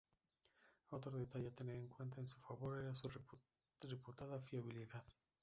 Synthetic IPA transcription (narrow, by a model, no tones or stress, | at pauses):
ot̪ɾoðet̪aʎat̪eneeŋkwe̞nt̪aensu̥faβo̞ɾeɾasu | reput̪aðafiaβiliðað